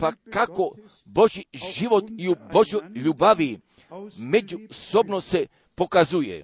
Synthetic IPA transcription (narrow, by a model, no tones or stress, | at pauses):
pakako | bo̞ʒiʒiʋot̪iubo̞ʒojʎubaʋi | me̞d͡ʒusobnose̞ | po̞kazujḛ